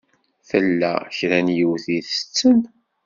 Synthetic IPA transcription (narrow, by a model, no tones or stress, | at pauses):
θəlːæ̰çɾænjəwθiθət͡sːən